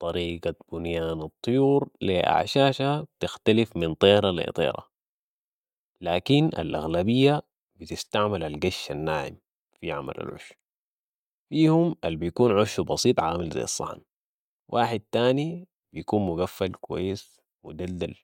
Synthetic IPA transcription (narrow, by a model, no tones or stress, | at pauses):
t̪ˤɑɾiːɡab̥unjaːnɑt̪ˤːɨjuːɾliʔa̰ʕʃaːʃab̚t̪ɪxt̪alifmint̪ˤeːɾalḭt̪ˤḛːɾɑ̰ | laːkinʔa̰lʔaɣlabijːa | bit̪ist̪aʕmalalɡaʃːanːaːʕḭm | fiʕa̰ma̰la̰lʕʊ̰ʃ | fiːhumʔalbijkuːnʕuʃːubɑsiːt̪ˤʕaːmilza̰jːɑsˤːɑ̰ħn | wʔaːħid̪̚t̪aːni | b̥ijkuːnmuɡafːalkuwa̰jːis | mud̪adːal